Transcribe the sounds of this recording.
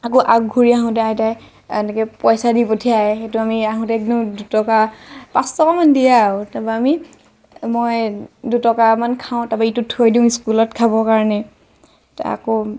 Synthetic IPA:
akoʔak̚ɡʱuɹiaɦɔ̃tɛataj | a̰nɛkɛpɔjsadipotʰijaɛxetʊamiaɦɔ̃tɛk̚diʊ̃dutɔkapãstɔkamandijatabaami | mojdutɔkamankʰaʊ̃tabaitutʰojdiʊ̃iskulɔtkʰabɔkaɹɔnɛ | ta̰ko

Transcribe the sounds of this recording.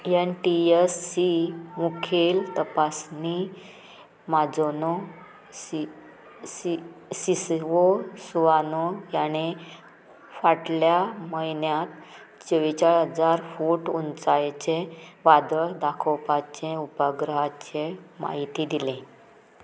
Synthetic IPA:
enʈiesːimukʰelt̪əpasni | mad͡zonɔ | si | isisosuʋanojañe | faʈljaməɦinjat̪ | t͡ɕəʋit͡ɕaɭɦəd͡zaɾfuʈunt͡sajt͡ɕeʋad̪əɭd̪akʰɔwpat͡ɕẽupəɡɾəɦat͡ɕema̰ɦit̪id̪ilẽ

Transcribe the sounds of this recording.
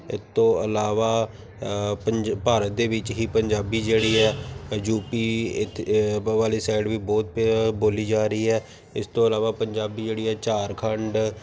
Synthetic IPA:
ɪ̰st̪õːəlaːʋaː | əpaːɾət̪̚d̪eːʋɪt͡ʃɦiːpəɲd͡ʒaːbiːd͡ʒeːɽiːɛːd͡ʒuːpiː | ʋaːliːsɛːɖʋiːbɔːt̪̚boːliːd͡ʒaːɾəiːɛː | ɪst̪õːəlaːʋaːpəɲd͡ʒaːbiːd͡ʒeːɽiːɛːt͡ʃaːɾkʰəɳɖ

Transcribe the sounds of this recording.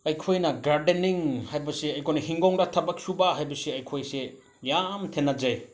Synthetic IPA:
ɐjkʰojnɐɡaɾdeniŋhajbɐseɐjkʰojnɐɦiŋɡoŋdɐtʰɐbɐk̚subaɦajbɐseɐjkʰojse | jamtʰenːɐd͡ʒaj

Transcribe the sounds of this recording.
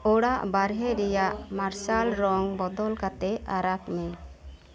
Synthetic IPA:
ɔɽaʔbaɾɦɛɾɛjaʔmaɾsalɾɔŋbɔd̪ɔlkat̪ɛaɾakmɛ

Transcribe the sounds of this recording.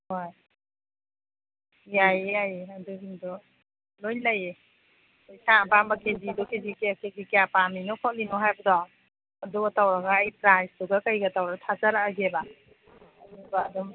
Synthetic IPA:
hoj | jajeajaduɦiŋdɔ | lojlaje | ojsãbambakedidɔkedikeakeɡikejapaminɔkʰɔtlinɔɦajbadɔ | ɐduɡatawɾaɡaːjpɾajstuɡakajɡatawɾaɡatʰazaɾaːɡeba | nubaːdɔm

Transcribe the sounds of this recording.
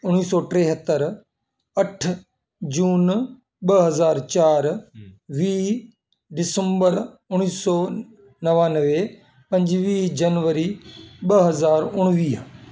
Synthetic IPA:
ʊɽ̃iːsɔːʈɾeːɦət̪ːəɾ | ɐʈʰ | d͡ʑuːn | ɓɐɦɐzaːɾt͡ɕaːɾʋiː | ɖɪsə̃mbəɾ | ʊɽ̃iːsɔː | nɐʋaːnəʋe | pɐ̃ɲd͡ʑʋiːd͡ʑɐnʋəɾiɓɐɦɐzaːɾʊɽ̃ʋiːɦ

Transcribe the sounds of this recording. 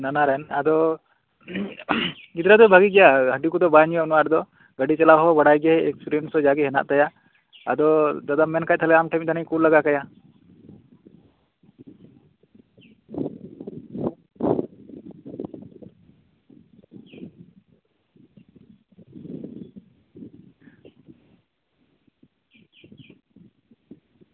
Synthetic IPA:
nanaɾɛnad̪ɔ | ɡid̪ɾad̪ɔbʱaɡiɡɛjaɦəɖikud̪ɔbaɲjɔnɔwaɾd̪ɔ | ɡəɖit͡ʃalawɦɔbəɽajɡɛɦɛɛksuɾensɔd͡ʒaɡɛɦɛna̰ʔt̪aja | a̰d̪ɔd̪ad̪amɛnkajt̪ʰəlɛamʈajmt̪anəj̃kulːəɡakaja

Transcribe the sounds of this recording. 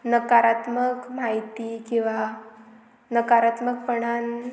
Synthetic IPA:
nəkaɾat̪məkm̤ajt̪ikĩw̃ʋa | nəkaɾat̪mək̚pəɳan

